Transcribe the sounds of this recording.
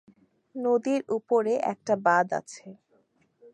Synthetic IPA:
nod̪iɾupoɾeʔɛ̰k̚ʈabad̪a̰t͡ɕʰe

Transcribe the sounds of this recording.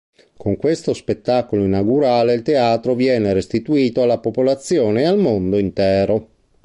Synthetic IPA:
koŋkwest̪ospet̪ːakoloinaɡuɾaːleilt̪eaːt̪ɾovjɛːneɾest̪it̪uiːt̪oalːapopolat̪sːjoːneːalmond̪oint̪ɛːɾo

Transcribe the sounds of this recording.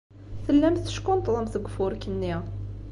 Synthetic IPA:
θəlːæmθə̥ʃkʊnt̪ˤðˤəmθəɡʷːfʊɾkənːi

